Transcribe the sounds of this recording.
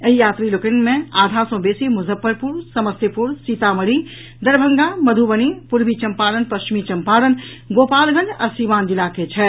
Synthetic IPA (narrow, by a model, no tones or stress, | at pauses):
əijaːt̪ɾilokənmẽaːd̪ʱasõbesimuzʱəpːəɾpuɾsəməsəpuɾsit̪aməɽi | d̪əɾbʱəŋɡaməd̪ʱubənipuɾbʱit͡ʃəmpaɾənpəst͡ʃimit͡ʃɐmpaːɾənɡopalɡʱə̃nd͡ʒa̰simaːnd̪ilaket͡ʃʰɛ